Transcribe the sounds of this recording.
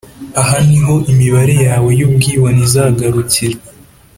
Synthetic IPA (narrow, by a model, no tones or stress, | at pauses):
aɦaniɦo̞ʔimiβaɾe̞jaːwe̞jub̚ɡiːwanizaɡaɾut͡siɾa